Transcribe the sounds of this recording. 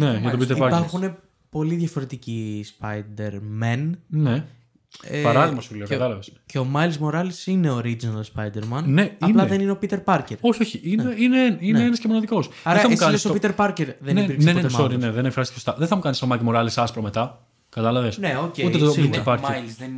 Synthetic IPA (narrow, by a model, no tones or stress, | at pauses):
neʝɐt̪opit̪eɾipɐɾpɐɾxune̞ | po̞liðʝɐfo̞ɾet̪icispɐjd̪eɾmenne | pɐɾɐðimɐsuleokt̪ɐlɐvesce̞omɐjlzmo̞ɾɐlisine̞oɾid͡ʒinɐlspɐjd̪eɾmɐnneɐlɐðenineo̞pit̪e̞ɾpɐɾceɾo̞çioçiʔineineeninneenɐscemo̞nɐðiko̞sɐɾeɐɐsilesopit̪e̞ɾpɐɾce̞ɾðeneiɾksenesɐoɾineðenekfɾɐst̪cesost̪ɐðeθɐmukɐnist̪omɐkmo̞ɾɐlisɐspɾomet̪ɐ | kɐt̪ɐlɐvesneoceut̪et̪osit̪epɐɾelzðe